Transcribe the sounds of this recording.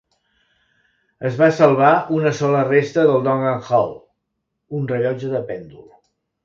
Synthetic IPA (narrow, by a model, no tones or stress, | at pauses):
əzβasəlˠβaʔunəsɔlərest̪əðəlˠd̪ɔŋɡaŋxɔw | unrəʎɔd͡ʒəðəpɛnd̪ulˠ